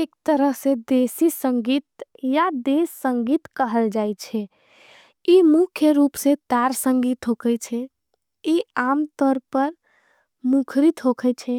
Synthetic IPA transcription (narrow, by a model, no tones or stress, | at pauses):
ekt̪əɾəɦsẽd̪esisəŋɡit̪ | jad̪esːə̃ŋɡit̪kəɦəld͡ʒajt͡ʃʰɛ | imukʰjəɾupsẽt̪aɾsə̃ŋɡit̪ɦokʰət͡ʃʰɛ | iamt̪ɔɾpəɾ | mukʰɾit̪ɦokʰɛjt͡ʃʰɛ